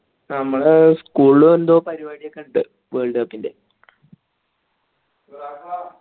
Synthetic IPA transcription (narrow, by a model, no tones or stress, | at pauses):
nɐmːɐɭskuːɭuend̪oːpɐɾibaːɽijɐkːɐɳɖɨ | ʋeːɭɖɐpːinde